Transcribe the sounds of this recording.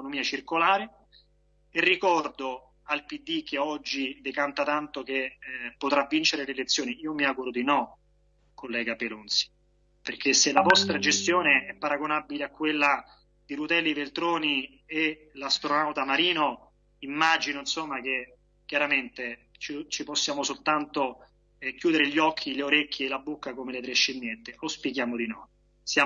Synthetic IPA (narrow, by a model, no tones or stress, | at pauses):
konomiːat͡ʃirkolaːɾe | erːikɔrd̪o | alpid̪ːik̟eɔd͡ʒːid̪ekant̪at̪ant̪okepːot̪ɾavːint͡ʃeɾelelet̪sːjoːniiːomiaːɡuɾod̪inɔ | kolːɛːɡapelunt̪si̥ | perkʰeselavɔst̪ɾad͡ʒest̪joːneɛpːaɾaɡonabileakːwelːa | d̪̥iɾut̪ɛlːivelt̪ɾoːni | e | last̪ɾonawt̪amaɾiːno | imːad͡ʒinoinsomːak̟e | kːjaɾament̪e | t͡ʃit͡ʃiposːjaːmosolt̪ant̪o | kjuːd̪eɾeʎːɔkʰːileoɾekʰʲːjeːlabːokːakomelet̪ɾeʃːend̪jɛnt̪eʔospikjaːmod̪inɔ | sjaː